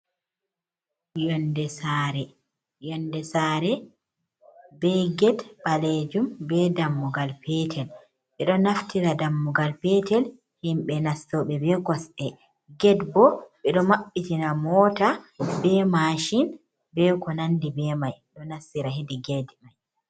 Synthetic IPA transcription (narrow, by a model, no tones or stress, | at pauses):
jɔndɛsaɾɛ | jɔndɛsaɾɛ | bɛɡɛdɓaled͡ʒumbɛdamːuɡalpɛtʰɛl | ɓɛɗɔnaftiɾadamːuɡalpɛtɛl | himɓɛnastɔɓɛbɛkɔsʔɛ | ɡɛdbɔɓɛɗɔmaɓːitinamɔtabɛmaʃin | bɛkɔnandibɛmajɗɔnasːiɾaɦidiɡɛdmaj